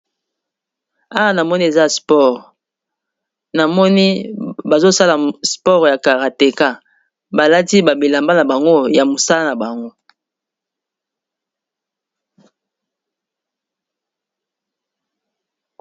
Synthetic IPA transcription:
a˦wa˦na˨mɔ˦ni˦e˨za˦˨spɔ˦˨ʁ | na˨mɔ˦ni˦ba˨zo˦sa˦la˨spɔ˦ʁja˨ka˨ʁa˨te˨ka˦ | ba˨la˦ti˦ba˨bi˨la˨mba˦na˨ba˨ŋɡo˦ja˨mo˨sa˦la˦na˨ba˨ŋɡo˦

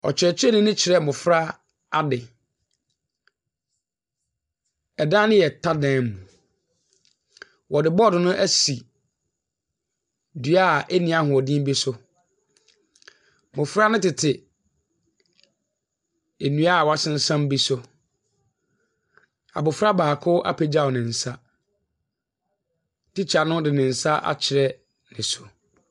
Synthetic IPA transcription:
ɔ̰˨t͡ɕʰᶣɪ˨ɾɛ˨t͡ɕʰᶣɛ˦nɪ̃˦nɪ̃˦t͡ɕʰɪ˨ɾɛ˦˨mʊ̃˨fɾa˦ | a˦dɪ˨ | ɛ˨dã˦nɪ̃˦jɛ˨tʰa˦dɛ̃˨mũ˨ | wʔɔ˨dɪ˨bɔ˦dɪ̃˨nʊ̃˦ʔæ˦si˨ | dɥa˦˨ʔɛ˦nĩ˨a˦hʊ̃˨ɔ˨dĩ˦m˦bi˦sʊ˦ | mʊ̃˨fɾa˦nʊ̃˦tɪ˨tʰɪ˨ | e˨nũ˦a˦˨wa˦sɪ̃˦n̩˦sã˦mbi˦sʊ˦ | a̰˨bʊ˨fɾa˦baː˨kʰʊ˦ʔa̰˦pʰɛ˨d͡ʑa˦˨ɔ˨nɪ̃˨n̩˨sa˦ | ti˦t͡ɕʰa˨nʊ̃˦dɪ˨nɪ̃˨n̩˨sa˦ʔa̰˨t͡ɕʰɪ˨ɾɛ˦ | nɪ̃˨sʊ˨

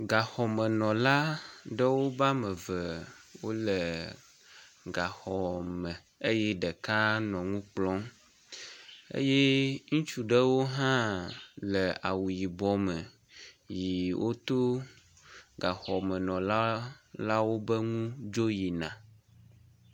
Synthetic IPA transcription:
ɡa˨xɔ˨mə̃˨nɔ̃˨la˦ɖə˦wo˦ba˦mə̃˨və˨wo˦lə˨ | ɡa˨xɔ˨mə̃˨ | e˦jɛ˦ɖə˨ka˦nɔ̃˨ŋũ˦k͡plɔ̃˦m | ḛ˦je˦ŋũ˦t͡ʃu˨ɖə˦wo˦ɦã˦lə˨a˨wu˨ji˨bɔ˨mə˨ | ji˨wʔo˦t̪o˦ | ɡa˨xɔ˨mə̃˨nɔ̃˨la˦la˦wo˦bə˦ŋũ˦d͡ʒo˦ji˨nã̰˨

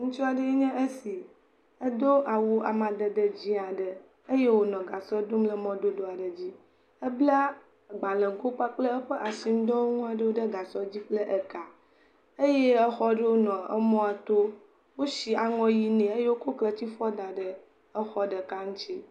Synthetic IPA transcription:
ŋũ˦t͡ʃu˦a˨ɖə˦e˦ɲɛ̃˦ʔe˦si˨ | ə˦d̪o˦ʔa˨wu˦a̰˨mã˨d̪ə˨d̪ə˦d͡ʑi˦a˨ɖə˨ | e˦je˦wo˦nɔ̃˨ɡa˨sɔ˦d̪o˦mlə˦mɔ̃˦d̪o˦d̪o˦a˨ɖə˨d͡ʑi˦ | ə˦bla˦˨ | ɡ͡ba˨lɛ̃˨ɡo˦k͡pa˦k͡plə˦ə˦ɸə˦ʔa˨si˦m˦d̪ɔ˦o˦ŋũ˦a˨ɖə˦wo˦ɖə˦ɡa˨sɔ˦d͡ʑi˦k͡plə˦ʔə˨ka˨ | e˦je˦ɛ˦xɔ˦ɖə˦wo˦nɔ̃˨ə̰˦mɔ̃˦a˨t̪o˦ | wo˦ʃi˨a˨ŋɔ̃˦ji˦nɛ̃˨e˦je˦wo˦ko˦klə˦t͡ɕi˦fɔ˦d̪a˨ɖə˨ | ə˦xɔ˦ɖə˨ka˦ŋũ˦t͡ɕi˦

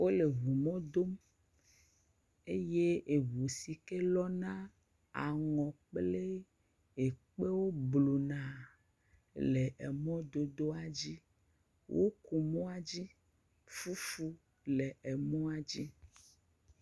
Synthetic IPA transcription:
wo˦le˨βu˨mɔ̃˦d̪o˦m | e˦je˦ʔe˨βu˨si˨ke˦lɔ˦nã˦ | a˨ŋɔ̃˨k͡ple˦ | e˨k͡pe˦wo˦blu˨nã˨ | le˨ʔɛ˨mɔ̃˦d̪o˦d̪o˦a˨d͡ʑi˦ | wʔo˦ku˨mɔ̃˦a˨d͡ʑi˦ | fu˦fu˦ | le˨ɛ˨mɔ̃˦a˨d͡ʑi˦

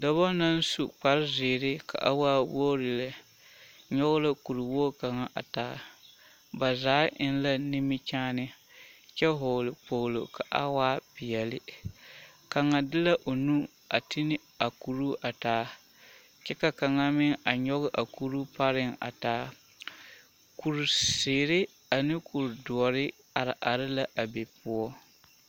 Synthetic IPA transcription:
dɔ˨βɔ˦na˦n˦su˨k͡pa˨ɾɪ˦zɪː˨ɾɪ˦ka̰˨ʔa̰˦waː˦woː˦ɾɪ˨la˨ | ɲɔ˦ɣʊ˦la˦ku˨ɾɪ˨woː˦ka˨ŋa˨ʔa̰˨taː˨˦ | ba˨zaː˦ʔɪ˦n˦la˦nɪ˦mɪ˦t͡ʃaː˦nɪ˦ | t͡ʃɛ˦ɦoː˨lɪ˨k͡po˨lo˨ka˨ʔa̰˦waː˦pɪ˨jɛ˨lɪ˦ | ka˨ŋa˨dɪ˦la˦ʔo˨nu˦ | a˨tʰɪ˦nɪ˦ | a˨ku˨ɾu˦ʔa˨taː˨˦ | t͡ʃɛ˦ka˨ka˨ŋa˦mɪ˦ŋa˨ɲɔ˦ɣɪ˦ʔa˨ku˦ɾu˦pa˦ɾɪ˦ŋa̰˨taː˨˦ | ku˨ɾu˨seː˨ɾɪ˦ | a˨nɪ˦ku˨ɾdu˨ɔ˨ɾɪ˦ | a˨ɾɪ˨ʔa˨ɾɪ˦la˦ʔa˨be˨pʊ˦ɔ˦

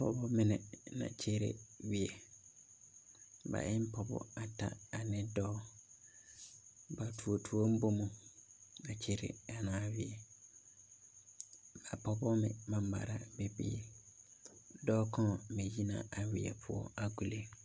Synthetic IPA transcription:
pʰɔ̰˦bɔ˦mɪ̃˦nɪ̃˨nã̰˨t͡ɕʰe˦ɾḛ˦ɥi˨e˨ | ba̰˨ʔɪ˦m̩˦pʰɔ˨bɔ̰˦a˨tʰa̰˦a˨nɪ̃˦dɔː˦ | ba˨tʰu˨o˨tʰu˨ɔ˦m̩˦bo˦mʊ̃˨ | a˨t͡ɕʰe˦ɾḛ˨a˨nãː˨wɪ˨ɛ˨ | ba˨pʰɔ˨bɔ˦mɪ̰̃˨mã˨m˨ba̰˨ɾa˦be˨bḭ˦ḛ˨ | dɔː˦kʰɔ̃˦˨mẽ˨ji˦nã̰˨ʔa˨wɪ˨ɛ̰˨pʰʊ˦ɔ̰˦˨a˨ku˨le˦

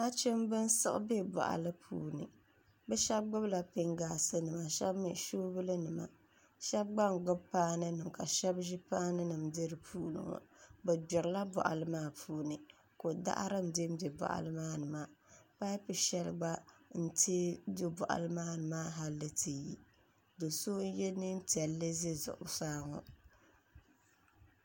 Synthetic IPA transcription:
a˦t͡ʃɪ˦mbɨ˦n˦sɨ˦ʔbe˦bɔ̰˨ʔa̰˨lɨ˦pʰṵː˦nɨ̰˨ | bɛ˦ʃɛ˦b̚ɡ͡bʊ˦bla˨pɪ˦ŋɡaː˨sɨ˦nɨ˨ma˨ʃɛ˦bmḭ˨ʃoː˦bɨ˦lɨ˦nɨ˨ma̰˨ | ʃɛ˦b̚ɡ͡ba˦ŋ˨ɡ͡bʊ˦bpaː˦nɨ˦nɨ˨mka˨ʃɛ˦bʒi˦paː˦nɨ˦nɨ˨mdɨ˦ɾɨ˨pʰuː˦nɨ̰˨ŋɔ̰˨bɛ˨d͡ʒʊ˨ɾɨ˨˦la˦bʊ̰˨ʔa̰˨lɨ˦maː˦˨pʰuː˦nɨ˨ | ko˨da̰˦ʔa̰˦ɾɨ˦mde˦mbe˨bɔ̰˨ʔa̰˨lɨ˦maː˦nɨ˨ma˦˨pa˦jpɨ˨ʃɛ˦lɡ͡ba˦n̩˦te˦dʊ˦bʊ˨ʔa̰˨lɨ˦maː˦nɨ˨maː˦ɦa˦lːɨ˦tʰɨ˨ji˦ | do˨so˦jɛ˦nɨ˦n˦ti˨ɛ˨lːɨ˦zɨ˦zʊ̰˨ʔʊ̰˨saː˦ŋɔ˨

